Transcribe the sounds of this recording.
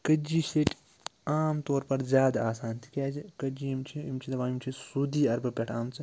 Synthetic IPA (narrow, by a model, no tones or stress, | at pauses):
kɐd͡ʒiːseʈʲ | aːmt̪oːɾpɐɾzʲjaːd̪aaːsaːnt̪ʰi̥kʲaːd͡ʒikɐd͡ʒiːimt͡ʃʰiimt͡ʃʰid̪ɐʋaːimt͡ʃʰisuːd̪iːɐɾbɐpʲeʈʰaːmt͡sɨ